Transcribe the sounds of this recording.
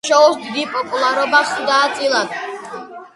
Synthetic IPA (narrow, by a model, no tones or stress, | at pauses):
ʃɔusd̪id̪ipʼɔpʼulˠaɾɔbasud̪aːt̪sʼilˠad̪